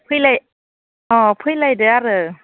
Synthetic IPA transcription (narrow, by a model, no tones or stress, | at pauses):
pʰɯləj | ʔɔːpʰɯjlajdɯaɾɯː